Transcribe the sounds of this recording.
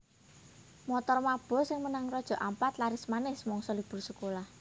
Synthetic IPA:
mɔt̪ɔrmab̥ɔ̤sɪŋmənaŋrɔd̥ʒ̥ɔ̤ʔampat̪laɾɪsmanɪhsmɔŋsɔlib̥ʊ̤rsəkolah

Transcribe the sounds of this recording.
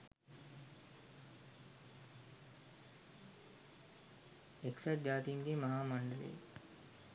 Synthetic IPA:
eksat̚d͡ʒaːt̪iːmɡeːmɐɦaːmɐɳɖəlḛː

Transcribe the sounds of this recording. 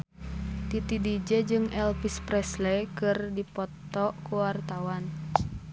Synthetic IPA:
t̪it̪idid͡ʒɛd͡ʒɨŋɛlpispɾɛslɛkɨrdipɔt̪ːɔʔkuwart̪awan

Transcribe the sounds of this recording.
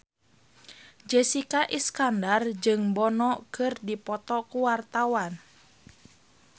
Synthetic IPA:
d͡ʒɛsikaʔiskandard͡ʒɨŋbɔnɔkɨrdipɔt̪ɔkuwart̪awan

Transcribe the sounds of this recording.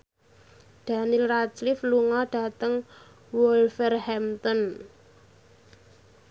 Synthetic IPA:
d̪̥a̤nilrat͡ʃlɪfluŋɔɖ̥a̤t̪əŋ | wɔlfɛrhɛmt̪ɔn

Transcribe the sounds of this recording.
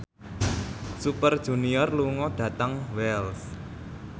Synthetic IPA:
supərd̥ʒ̥ṳniɔrluŋɔɖ̥ä̤t̪aŋwɛls

